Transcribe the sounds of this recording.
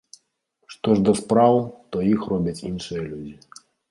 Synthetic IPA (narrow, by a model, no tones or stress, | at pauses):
ʂt̪ɔʐd̪ɐspɾawt̪ɔjixrɔbʲɐt͡sʲinʂɨjɐlʲud͡zʲi